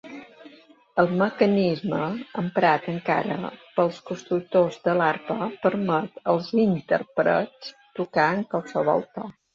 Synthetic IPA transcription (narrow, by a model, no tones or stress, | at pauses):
əlˠməkənizməəmpɾat̪əŋka̰ɾə̰pəlˠskust̪ɾuk̚t̪ozd̪əlarpəpəɾmət̪əlˠzint̪ə̰rpɾə̰t͡st̪ukaəŋkwalˠsəβ̞ɔ̰lˠt̪ə